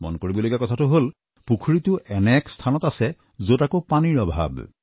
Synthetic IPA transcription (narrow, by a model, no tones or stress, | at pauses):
mɔ̰nkoɹibɔlojɡakɔtʰatʊɦol | pukʰuɹitʊʔɛnɛkstʰanɔtasɛ | zotakopaniɹɔbʱa̰b